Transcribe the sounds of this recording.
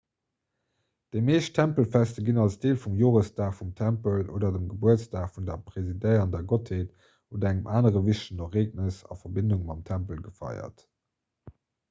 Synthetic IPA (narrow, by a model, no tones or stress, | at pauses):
d̥eɪmeːʃtʰæmpəlfæstəɡinɑlsd̥eːlfumjoːʁəstaːχfumtʰæmpəlo̰ːdɐdəmɡəbuətt͡staːχfundɐpʁ̥ezidəɪɐɑndɛːɐɡɔtʰheːt | oːdɐæŋəmʔaːnəʁəviʃtənoχeːk̚nəsɑ̰fɐbinduŋmɑmtʰæmpəlɡəfɑ̰ɪɐ̰t